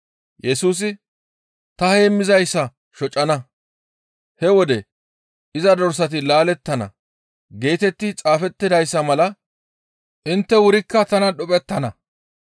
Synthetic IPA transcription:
jɛsuːs̬ɪ | t̪ɐheːmːɪzɐjsːɐ | ʃɔt͡ʃʼːɐnɐ | hɛwɔd̪ɛ | ʔɪzɐd̪ɔɾsɐt̪̬ɪlaːlɛt̪ːɐnɐ̰ | ɡe̞ːt̪ɛt̪ːɪt͡sʼaːfɛt̪ːɪd̪ɐjsːɐmɐlɐ | ʔɪnt̪ːɛwʊɾɪkːɐt̪ɐnɐɗʊpʼɛt̪ːɐnɐ

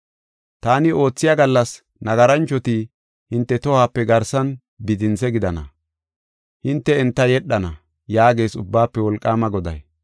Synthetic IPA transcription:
t̪aːnɪo̞ːt͡sːɪjaɡɐlːɐs | nɐɡɐɾɐnt͡ʃːɔt̪i | hɪnt̪ːɛt̪ɔhaːpːɛɡɐɾsɐn | bɪd̪ɪnsɛɡɪd̪ɐnɐ̰ | hɪnt̪ːɛɛnt̪ːɐjɛɗːɐnɐ | jaːɡe̞ːsʊbːaːpːɛwɔlkʼːaːmɐɡɔd̪ɐ̰j

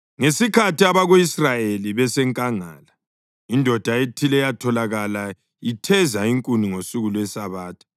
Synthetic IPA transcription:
ŋesikʰatʰiaβaɣoisrajeliβɛsɛŋkʼaŋa̰ːla | indʱɔd̥ʱaetʰilɛjatʰɔlaɣala | itʰɛzaiŋkʼuniŋosuɣulwɛsaβaːtʰʼḁ

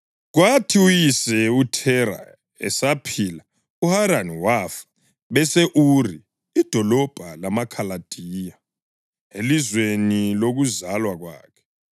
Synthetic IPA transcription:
ɣwatʰiujisɛutʰɛɾa̰ | ɛ̰sapʰiːla | uhaɾaniwafḁ | βɛseʔuri | id̥ʱɔlɔb̥ʱalamakʰalad̥ʱiːja | elizweniloɣuzalwaɣwa̰ːkʰɛ̥

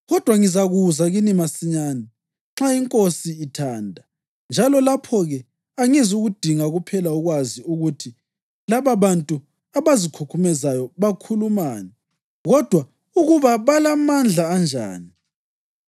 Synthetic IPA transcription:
ɣɔd̥ʱwaŋizaɣuzaɣinimasiɲaːnɛ | ŋ͡ǁaiŋkʼosiːtʰaːndʱa | nd͡ʒʱalɔlapʰɔɣɛ | aŋizuɣud̥ʱiŋaɣupʰɛlauɣwaziuɣutʰi | laβaβantʼu | aβazikʰukʰumɛzajɔβakʰulumaːnɛ | ɣɔd̥ʱwa | uɣuβaβalamand͡ɮʱaːnd͡ʒʱa̰ːni

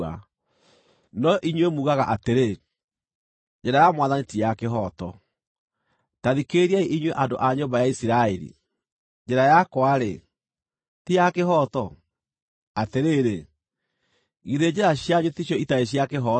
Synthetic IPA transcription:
a̰ | nɔʔiɲwemuːɣaɣaʔateɾe | d͡ʒɛɾajamwaðanitiakeɦɔtɔ̰ | taðikeɾiaiʔiɲweʔando̰ʔaɲombajaisiɾaɛɾḭ | d͡ʒɛɾajakwaɾe | tijakeɦɔtɔ | ateɾeːɾe | ɣiðed͡ʑeɾaɕjaɲotiɕ̬jɔitaeɕ̬iakeɦɔ

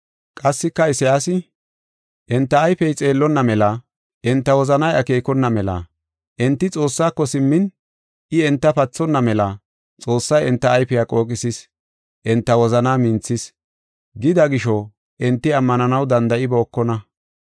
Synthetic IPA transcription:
kʼɐsːɪkːɐɪsɐjaːsɪ | ʔɛnt̪ːɐːjfɛjt͡sʼe̞ːlːɔnːɐmɛlɐ | ʔɛnt̪ːɐwɔzɐnɐjɐ̰keːkɔnːɐmɛlɐ̰ | ʔɛnt̪ːɪt͡sʼo̞ːsːaːkːɔsɪmːɪn | ɪɛnt̪ːɐpɐt͡sːɔnːɐmɛlɐ | t͡sʼo̞ːsːɐjɛnt̪ːɐːjfɪjaːkʼo̞ːkʼɪsɪs | ʔɛnt̪ːɐwɔzɐnaːmɪnt͡sːɪs | ɡɪd̪ɐɡɪʃɔ | ʔɛnt̪ːɪɐmːɐnɐnɐwd̪ɐnd̪ɐʔɪbɛɔkːɔnɐ

